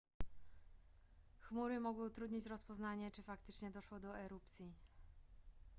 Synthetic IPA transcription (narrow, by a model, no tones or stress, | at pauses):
xmuɾɘmɔɡwɘt̪ɾud̪ɲit͡ɕɾɔspɔznaɲɛt͡ʂɘfakt̪ɘt͡ʂɲɛd̪ɔʂwɔd̪ɔɛɾupt̪sʲji